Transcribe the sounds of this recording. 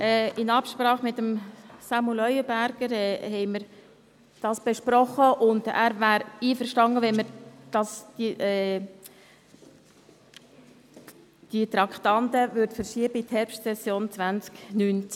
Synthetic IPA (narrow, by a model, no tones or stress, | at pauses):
ʔɛːɪnɑpʃpɾɑːχmɪtːəmsɑmulœʏəbæɾɡ̥əɾɛhɛɪməɾ | d̥ɑːsb̥eʃpɾɔχəʔʊndæ̰ːɾvæːɾiːfəɾʃtɑŋəʋɛnməɾd̥ɑsd̥iʔɛː | d̥it̪ɾɑkt̪ɑnt̪əvʏɾtfəɾʃiəbəithɛɾpʃtsɛsjoːnt͡svʋænt͡sknynt͡s